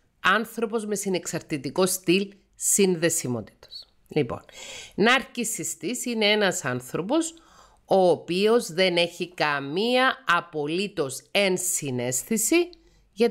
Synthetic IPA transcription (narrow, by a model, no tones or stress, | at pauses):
ɐnθɾo̞po̞zme̞sine̞ksɐɾt̪it̪iko̞st̪il | sinðe̞simo̞̰t̪i̥t̪ɐ̥s | lipo̰nnɐːɾcisist̪isine̞enɐsɐnθɾo̞po̞s | o̞ːpio̞zðe̞ne̞çikɐmiɐːpo̞lit̪o̞se̞nsine̞sθisi | ʝɐ